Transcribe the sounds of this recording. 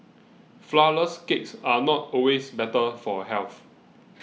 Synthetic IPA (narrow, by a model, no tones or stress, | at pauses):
flaəskeksanɔtɔwesbɛtəfɔɦɛlθ